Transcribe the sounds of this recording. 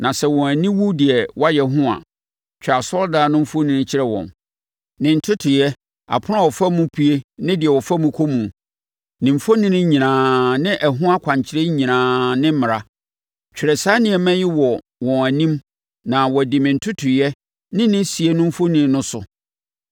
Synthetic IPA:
nã˨sɛ˦wɔ̃˨æ˨nĩ˦wu˦dɪ˨ɛ˨wɔ˦a˦jɛ˨ɦʊ̃˦ã̰˨ | t͡ɕᶣa˨sɔ˦ldaː˨nʊ̃˦m̩˦fo˦nĩ˨nɪ̃˦t͡ɕʰɪ˦ɾɛ˦wɔ̰̃˨n | nɪ̃˨n̩˨tʰʊ˦tʰʊ˨jɛ˦ | a̰˨pʰʊ˦nã˦˨wɔ˨fa˦mũ˦pʰi˦e˦nɪ̃˦dɪ˨ɛ˨wɔ˨fa˦mũ˦kʰo˦mũ˨ | nɪ̃˨m̩˨fo˦nĩ˦nɪ̃˦ɲĩ˨nãː˨nɪ̃˦ʔɛ˨ɦʊ̃˦a˦kʷʰã˨ɲ˨t͡ɕʰɪ˨ɾe˦ɲĩ˨nãː˨nɪ̃˦m̩˦mɪ̃˨ɾa˦ | t͡ɕᶣɪ˨ɾɛ˨saː˦nɪ̃˨ɛ˨mɛ̃˦jɪ˦wɔ˨ | wɔ̃˨æ˨nĩ˦m | nã˨wɔ˨dɪ̃˨mɪ̃˨n̩˨tʰʊ˦tʰʊ˨jɛ˦ | nɪ̃˦nɪ̃˦si˨e˦nʊ̃˦m̩˦fo˦nĩ˨˦nʊ̃˦sʊ˨

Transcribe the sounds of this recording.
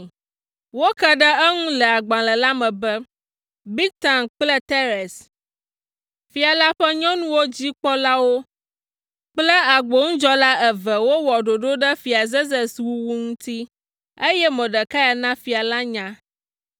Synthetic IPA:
wo˦kə˦ɖə˦ə˦ŋũ˦lɛ˨a˨ɡ͡bã˨lə˨la˦mɛ̃˨bə˦ | bi˦k̚t̪a˨nk͡plə˦t̪e˦ɾɛ˨s | fi˨a˨la˦ɸɛ˦ɲɔ̃˦nũ˦wo˦d͡ʑi˦k͡pɔ˦la˦wo˦ | k͡plə˦a˨ɡ͡bo˦ŋũ˦d͡ʒɔ˦la˦ɛ˨və˨wo˦wɔ˨ɖo˨ɖo˦ɖə˦fi˨a˨ze˦zɛ˨swu˦wu˦ŋũ˦t̪i˦ | e˦jɛ˦mɛ̃˨ɖə˨ka˦ja˨nã˦fi˨a˨la˦ɲã˦

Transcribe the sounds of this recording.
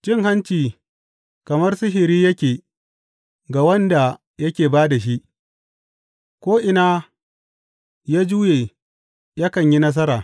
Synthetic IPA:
t͡ʃɪ˦˨ŋha˦nt͡ʃiː˨ | kɐ˨mɐ˦rsɪ˦ɦɪ˨ɾiː˦jɐ˦kʲeː˨ | ɡa˨wɐ˦nda˨ | jɐ˦kʲeː˨baː˦da˨ʃ̬i˦ʔ | kʷoː˦ʔɪ˨na˦ | jaː˦d͡ʒuː˦jeː˨ | jɐ˦kɐ˨ɲji˦nɐ˦s̬ɐ˦ɾaː˨

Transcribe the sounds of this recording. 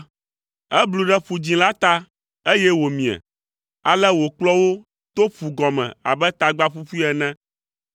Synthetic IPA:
ɛ˦blu˨ɖɛ˦ɸu˨d͡ʑĩ˨la˦t̪a˦ | e˦jɛ˦wo˨mĩ˨ɛ̰˨ | a˨lɛ˦wo˨k͡plɔ˦wo˦ | t̪o˦ɸu˨ɡɔ˨mɛ̰̃˨a̰˨bɛ˦t̪a˨ɡ͡ba˦ɸu˦fu˦ɛ˨nɛ̃˦

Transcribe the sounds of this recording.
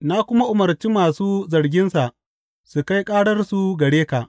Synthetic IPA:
na˦kʷʊ˦ma˦ʔʊ˨mɐ˨rt͡ʃiː˦maː˨suː˦zɐ˨rɡʲɪ˦nsa˨ʔ | su˨ka˦jkʼaː˦ɽɐ˦rsu˦ɡɐ˨ɽeː˦ka˨ʔ

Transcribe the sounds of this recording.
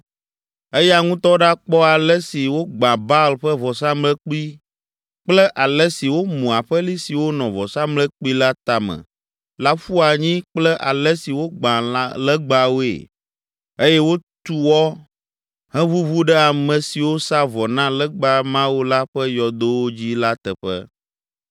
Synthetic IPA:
e˦ja˨ŋũ˦t̪ɔ˦ɖa˦k͡pɔ˦a˨lɛ˦si˨wo˦ɡ͡bã˨ba˦lɸɛ˦vɔ˨sa˦mlɛ˦k͡pi˦ | k͡plɛ˦ʔa˨lɛ˦si˨wo˦mũ˨a˨ɸɛ˦li˦si˨wo˦nɔ̃˨vɔ˨sa˦mlɛ˦k͡pi˦la˦t̪a˨mɛ̰̃˨ | la˦fu˦a˨ɲĩ˦k͡plɛ˦ʔa˨lɛ˦si˨wo˦ɡ͡bã˨llɛ˦ɡ͡ba˨wo˦ḛ˨ | e˦jɛ˦wo˦t̪u˦wɔ˦ | ɦɛ̃˦vu˦vu˦ɖɛ˦a˨mɛ̃˨si˨wo˦sa˦vɔ˨nã˦lɛ˦ɡ͡ba˦mã˦wo˦la˦ɸɛ˦jɔ˨d̪o˦wo˦d͡ʑi˦la˦t̪ɛ˨ɸɛ̰˦

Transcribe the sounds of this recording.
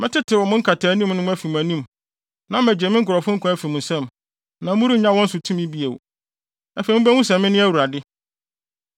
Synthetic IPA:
mɪ̃˦tɪ˦tʰɪ˨wɔ˨mʊ̃˦ŋ̩˦kʰa˨tʰaː˨˦nĩ˦mnʊ̃˦m̃˦æ˦fi˨mũ˨æ˨nĩ˦m | nã˦mæ˨d͡ʑᶣe˨mɪ̃˦ŋ̩˦kʰʊ˨ɾɔ˨fʊ̃˦ŋ̩˦kʰã˦æ˦fi˨mʊ̃˨sɛ̃˦˨m | nã˨mʊ̃˦ɾi˦ɲã˦wɔ̃˦n̩˦sʊ˨tʰũ˦mɪ̃˦bi˦e˨w | æ˨fe˨˦mʊ̃˦bæ˦hʊ̃˦s̬ɛ̃˨mːɪ̃˦nɪ̃˦æ˦wu˨ɾa˨dɪ˦

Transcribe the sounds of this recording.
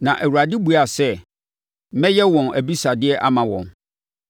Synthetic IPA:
nã˨ʔæ˨wu˨ɾa˨dɪ˦bu˨a˨sɛ˦˨ | mɛ̃˦jɛ˦wɔ̃˨næ˨bi˦sa˨dɪ˦ɛ˦ʔa˦mã˨wɔ̰̃˨n

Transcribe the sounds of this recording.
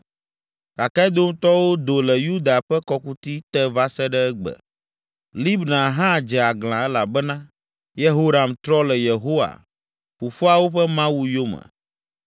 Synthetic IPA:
ka˨ka˦d̪o˦m˦t̪ɔ˦wo˦d̪o˨lɛ˨ju˦d̪a˨ɸɛ˦kɔ˦ku˦t̪i˦t̪ɛ˦va˦sɛ˦ɖɛ˦ɛ˦ɡ͡bə̰˨ | li˦bnã˨ɦã˦˨d͡ʒɛ˨a˨ɡlã˨ɛ˦la˨bɛ˦nã˦ | je˦ɦo˦ɾa˨mt̪ɾɔ˦lɛ˨je˨ɦo˦wa̰˨ | ɸu˨fo˦a˨wo˦ɸɛ˦mã˦wu˨jo˦mə̰̃˨

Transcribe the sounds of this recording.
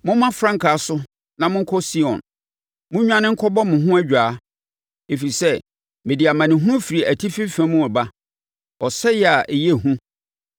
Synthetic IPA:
mʊ̃˦mã˦fɾã˦ŋkʰa˨sʊ˦ | nã˨mʊ̃˦ŋ̩˦kʰɔ˦si˦ɔ̰̃˨n | mʊ̃˦ɲᶣ˦ã˦nɪ̃˦ŋ̩˦kʰɔ˦bɔ˦mʊ̃˨ɦʊ̃˦æ˦d͡ʑᶣaː˨˦ | e˨fi˨i˨sɛ˦ | mɪ̃˨di˨a˨mã˨nɪ̃˨ɦʊ˦ũ˦fi˨ɾi˨æ˨tʰi˦fi˦fæ̃˦mʊ̃˦ɔ˨ba˦ | ɔ˨sɛ˦jɛ˦˨a˨ʔe˨jɛ˦˨ɦũ˦

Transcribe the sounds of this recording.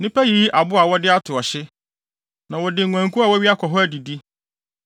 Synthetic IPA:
nɪ̃˦pæ˦jiː˦ʔa˨bʊ˦a˨wɔ˦dɪ˦a˦tʰʊ˨ɔ˨ɕɪ˦ | nã˨wɔ˨dɪ˨ŋʷ˨ã˨ŋ˨kʰu˦a˨wɔ˦ɥi˦a˦kʰɔ˨ɦɔ˦æ˦˨di˨di˦

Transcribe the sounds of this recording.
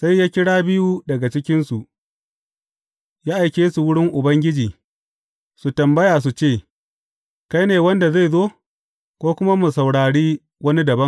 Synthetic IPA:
sa˦jːaː˦kʲɪ˦ɽaː˦bɪ˦ju˦dɐ˨ɡa˨t͡ʃɪ˦kʲɪ˦nsu˨ʔ | jaː˦ʔa˨jkʲeː˦su˨wʊ˦ɽɪ˦ŋʔʊ˨bɐ˦ŋɡʲɪ˦d͡ʒiː˨ | su˨tɐ˨mbɐ˦jaː˨s̬u˨t͡ʃeː˦˨ | ka˦jneː˨wɐ˦nda˨za˦˨jzoː˦ | kʷoː˦kʷʊ˦ma˦mu˨sɐ˨wɽaː˨ɽiː˦ | wɐ˦ni˦dɐ˨bɐ˦ŋ

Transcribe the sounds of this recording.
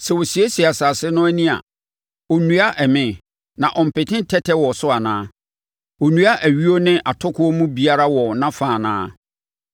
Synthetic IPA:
sɛ˨wɔ˨si˨e˦si˨a˨saː˨sɪ˦nʊ̃˦æ˦nĩ˦a̰˨ | ɔ˨nũ˨˦a˦ʔɛ˨mɪ̃˦ | nã˨ʔɔ̃˨m̩˨pɪ˨tʰɪ̃˦n˦tʰɛ˦tʰɛ˦wɔ˨sʊ˦a˨nãː˦ | ɔ˨nũ˦a˦ʔæ˨ɥi˦o˦nɪ̃˦ʔa˨tʰɔ˦kʰʊ˦ɔ˦mũ˦bi˨a˦ɾa˦wɔ˨nã˦fãː˨nã̰ː˦

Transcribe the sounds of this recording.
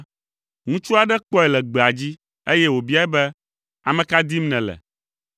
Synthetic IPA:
ŋũ˦t͡ʃu˦a˨ɖɛ˦k͡pɔ˦ɛ˨lɛ˨ɡ͡be˨a˨d͡ʑi˦ | e˦jɛ˦wo˨bi˦a˦ɛ˦bɛ˦ | a˨mɛ̃˨ka˦d̪i˦mnɛ̃˨lɛ̰˨

